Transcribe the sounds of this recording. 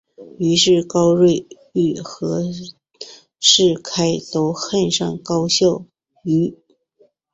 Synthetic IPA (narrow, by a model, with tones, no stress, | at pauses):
y˧˥ʂɻ̩˥˩kɑ˥ʊɻwe˥˧ɪ | y˥˩xɤ˧˥ | ʂɻ̩˥˩kʰa˥ɪt̪o˥ʊxə˥˧nʂɑ˥˩ŋkɑ˥ʊɕjɑ˥˩ʊ | y˧˥